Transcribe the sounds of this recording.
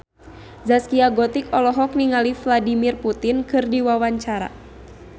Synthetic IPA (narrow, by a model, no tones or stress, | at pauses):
zaskiaɡɔt̪ikɔlɔɦɔk̚niŋalifladimirput̪inkɨrdiwawaɲt͡ʃaɾa̰